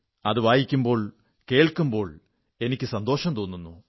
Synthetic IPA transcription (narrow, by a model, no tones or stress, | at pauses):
ɐðɨʋaːjikʲːumbo̞ːɭ | ke̞ːɭkːumbo̞ːɭ | e̞nikʲːɨsɐnd̪o̞ːʂɐmt̪oːnːunːu